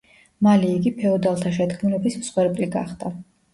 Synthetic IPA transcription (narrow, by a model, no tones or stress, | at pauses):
malɛːɡipʰɛɔd̪alˠt̪ʰaʃɛd̪ɡʰmulɛbismsχwɛɾbʼliɡa̰χd̪a